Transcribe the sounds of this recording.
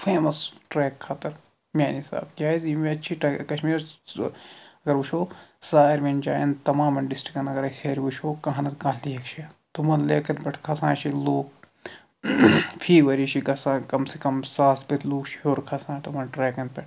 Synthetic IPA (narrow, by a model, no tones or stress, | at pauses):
fʰeːmɐsʈɾeːkʰːaːt̪ɐɾ | mʲaːnisa̰ːbkʲjaːizimẽɐtːʃʰiʈɐkɐʃmiːɾ | ɐɡɐɾbut͡ʃʰoːsaːiɾmend͡ʒa̰ːjɐnt̪ɐmãːmɐnɖisʈɾikɐnɐɡɐɾɐkʰeːɾibut͡ʃʰoːkɐ̃ɦɐnɐt̪kãːlliekt͡ʃʰit̪omɐnleːkɐnpɐʈʰkʰɐsãːnt͡ʃʰiloːk | pʰiːʋɐɾiʃʰikɐsãːkɐmsekɐmsaːspɐt̪ʰluːkʃɦoːɾkʰɐsãːnt̪omɐnʈɾɛːkɐnpɐʈʰ